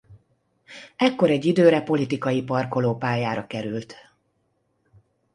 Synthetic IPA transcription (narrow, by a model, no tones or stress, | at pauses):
ɛkːo̞ɾɛɟːid̪øːɾɛpo̞lit̪ikɒjipɒrko̞loːpaːjaːɾɒkɛɾylt̪